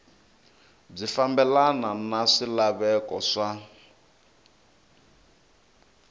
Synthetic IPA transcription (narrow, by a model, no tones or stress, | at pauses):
b͡ʐifambɛlananaʂilaβɛkɔʂa